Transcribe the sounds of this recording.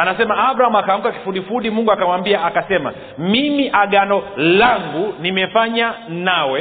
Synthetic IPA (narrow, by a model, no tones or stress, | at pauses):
anasɛmaabɾahamakam̩kaki̥fuɗifuɗimuŋɡuakamwambiaːkasɛma̰ | mimiʔaɠanɔlaŋɡunimɛfaɲanawɛ